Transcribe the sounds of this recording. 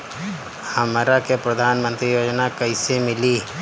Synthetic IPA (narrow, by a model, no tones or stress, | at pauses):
hɐmɾakepɾəd̪ʱaːnmə̃nt̪ɾijoːd͡ʒnakɐɪsemɪli